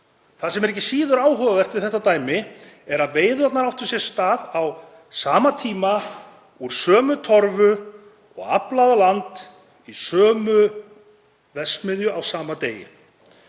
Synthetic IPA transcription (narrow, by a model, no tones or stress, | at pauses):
θaðsɛmɛɾɛhcːɪ̥siːðʏɾaːwɦœvavɛr̥t̪vɪðθɛht̪ːat̪aːjmɪɛɾaðveːjðʏat̪naɾawht̪ʏsjɛɾ̥st̪aːðaw | saːmat̪ʰiːma | uɾ̥sœːmʏt̪ʰɔɾvʏ | ɔ̰ɣa̰plavalant̪ | isœːmʏ | vɛsmɪðjʏʔawsaːmat̪eːjɪ̰